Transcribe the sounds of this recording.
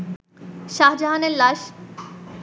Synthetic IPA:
ʃaɦd͡ʑaɦaneɾlaʃ

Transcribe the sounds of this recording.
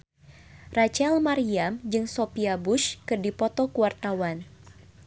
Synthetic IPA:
rat͡ʃɛlmaɾiamd͡ʒɨŋsopiabuʃkɨrdipɔt̪ɔkuwart̪awan

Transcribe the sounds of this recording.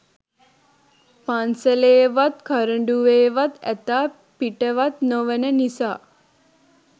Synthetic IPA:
pansəleːʋat̪kʰɐɾəɳɖuʋeːʋat̪ɛ̰t̪aː | piʈəʋat̪noʋənənisaː

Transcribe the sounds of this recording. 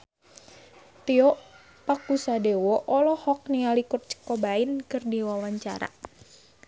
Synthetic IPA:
t̪iɔʔ | pakusadewɔʔɔlɔhɔk̚nialikʊrt͡ʃə̥kɔbainkɨrdiwawaɲt͡ʃa̰ɾa̰

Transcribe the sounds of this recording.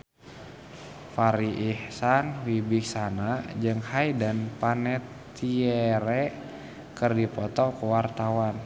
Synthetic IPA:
faɾiʔihsanwibik̚sanad͡ʒɨŋhajdanpanɛt̪ | iɛɾɛ | kərdipɔt̪ɔkuwart̪awan

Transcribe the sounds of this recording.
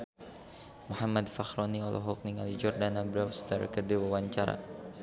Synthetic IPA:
muhamad̪faxɾɔniɔlʔɔ̰ɦɔk̚niŋalid͡ʒɔrdanabɾafst̪ərkədiwawaɲt͡ʃaɾa̰

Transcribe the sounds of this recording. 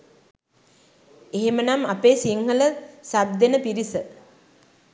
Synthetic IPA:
eɦemənamapeːsiŋhələsab̚d̪enəpiɾisə

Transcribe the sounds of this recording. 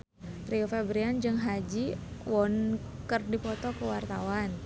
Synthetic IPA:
t̪ɾiufebɾiand͡ʒɨŋɦad͡ʒiwɔnkərdipɔt̪ɔkəwart̪awan

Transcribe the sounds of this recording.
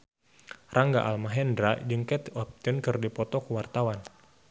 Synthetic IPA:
raŋɡa̰ʔa̰lmaɦɛndɾad͡ʒɨŋkɛt̪ɔp̚t̪ɪnkɨrdipɔt̪ɔkəwart̪awan

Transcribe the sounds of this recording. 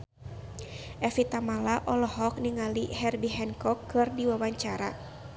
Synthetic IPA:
ʔɛfit̪amalaʔɔlɔɦɔk̚niŋaliɦɛrbiɦɛnkɔkːɨrdiwawaɲt͡ʃaɾa

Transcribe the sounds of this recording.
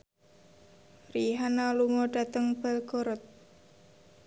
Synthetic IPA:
riɦanalumɔɖa̤t̪əŋb̥alɡ̥oɾɔt̪̚

